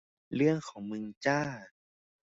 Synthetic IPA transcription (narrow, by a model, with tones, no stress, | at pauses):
lɯ˥˩əŋkʰɔː˩˦ŋmɯ˧ŋt͡ɕaː˥˩